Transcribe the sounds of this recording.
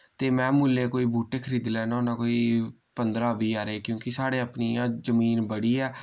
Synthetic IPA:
t̪eːmɛ̃ːmuːlːeːkoːiːbuːʈeːkʰəɾiːd̪lɛːnaːʊnãːkoːiː | pənd̪ɾãːbiːaːɾeːkjõːkɪsaːɽeːaːpniːãːzəmiːnbəɽiːɛː

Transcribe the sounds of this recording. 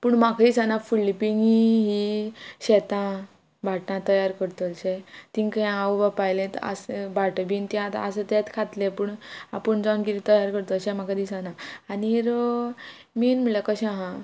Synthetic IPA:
puɳmakʰaisanafilipiŋiɦiɕɛt̪ã | bʱaʈnãt̪əjaɾkəɾt̪olɕɛt̪ĩŋkəɛ̃awʋapajlẽt̪a̰sbʱaʈbint̪iat̪a̰set̪ɛt̪kʰat̪lẽpuɳa̰pəɳd͡zɔnkiɾit̪əjaɾkəɾt̪oɕɛ̃makʰad̪isanaːniɾo | minm̤əɭlakəɕãɦã

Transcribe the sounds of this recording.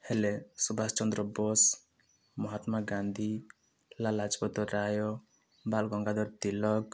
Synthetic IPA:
helesubʱast͡ʃɔnd̪ɾɔbɔs | mɔɦat̪maɡãnd̪ʱi | lalad͡ʒpɔt̪ɔɾajɔ | balɡɔŋɡad̪ɔɾt̪ilɔɡ

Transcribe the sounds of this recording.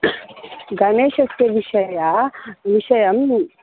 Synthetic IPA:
ɡɐneːɕɐst̪eʋiʃɐjaʋiʃɐjɐm

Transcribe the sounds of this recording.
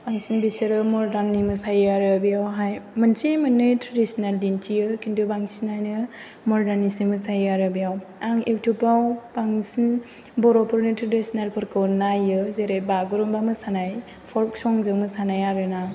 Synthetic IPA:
b̥aŋsinbiseɾɯmɔɾdanːimɯsajaɾɯbijawɦajmɯnsemɯnːɯtʰɾadisinaldintʰijɯkindubaŋsinajnɯ | mɔɾdanisimɯsajaɾɯbijawaŋiwtʰupawbaŋsin | bɔɾɔpʰɯɾnɯtɾadisinalpʰɯɾkʰɯwnajɯzeɾebaɡɯɾumbamɯsanaj | pʰɔɾk̚sɔŋzɯŋmɯsanajaɾɯna

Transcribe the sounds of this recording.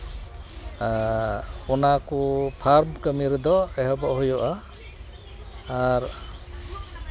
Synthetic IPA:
ɔnakupʰaɾmkəmiɾd̪ɔɛɦɔbɔʔɦujɔʔa | ɾ

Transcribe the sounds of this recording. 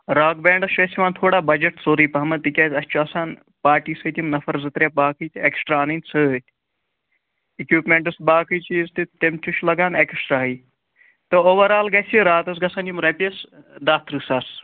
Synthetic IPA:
ɾaːɡ̚beːɳɖɐst͡ʃʲɐsʲiʋaːnt̪ʰoːɽaːbɐd͡ʒɐʈsoːɾiːpɐɦɐmɐt̪ɨkʲɐːt̪ɐsʲt͡ʃʰuɐsaːn | paːʈiːsɨt̪imnɐfʰɐɾzɨt̪ɾebaːkʰɨt̪ieksʈɾaːnɨnʲsɨt̪ | ikjuːpmeɳʈɐsbaːkʰɨt͡ʃist̪it̪emt͡ʃuʃlɐɡaːneksʈɾaːɦɨj | t̪ɐoːʋɐɾaːlɡɐsʲiɾaːt̪ɐs̬ɡɐsaːnimɾɐpʲesd̪aːt̪ɾɨsaːs

